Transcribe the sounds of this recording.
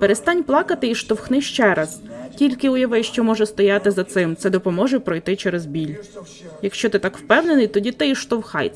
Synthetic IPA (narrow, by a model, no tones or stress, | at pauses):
peɾest̪ɑnʲplˠɑkɐt̪ɪiʃt̪ɔwxnɪʃt͡ʃɛɾɐz̥tʲilʲkɪʊjɐʋɪʃt͡ʃɔmɔʒɛst̪ɔjɑt̪ɪzɐt̪sɪmt̪sɛd̪ɔpɔmɔʒɛpɾɔjt̪ɪt͡ʃɛɾezbʲilʲ | jɐkʃt͡ʃɔt̪ɪt̪ɑkwpɛwnenɪjt̪ɔdʲit̪ɪiʃt̪ɔwxɑ̰jʲ